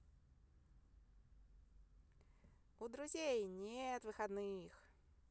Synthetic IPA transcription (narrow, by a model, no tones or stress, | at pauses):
ʊd̪ɾʊzʲejnʲet̪vɨxɐd̪nɨjx